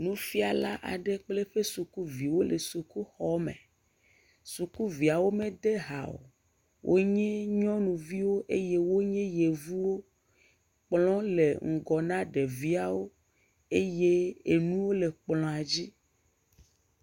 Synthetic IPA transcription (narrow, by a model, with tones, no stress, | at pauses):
nũ˦fi˦a˨la˦ʔa̰˨ɖe˦k͡ple˦ɸe˦su˨ku˦vi˨wo˦le˨su˨ku˦xɔ˦mḛ̃˨ | su˨ku˦vi˨a˨wo˦mẽ˦d̪e˦ɦa̰˨o̰˨ | wʔo̰˦ɲɛ̃˦ɲɔ̃˦nũ˨vi˦wo˦ʔe˦je˦wo˦ɲɛ̃˦je˨vu˦wo˦ | k͡plɔ̃˦lḛ˨ŋ̩˨ɡɔ˨nã˦ɖe˨vi˦a˨wo˦ | e˦je˦e˨nũ˦wo˦le˨k͡plɔ̃˨a˨d͡ʑi˦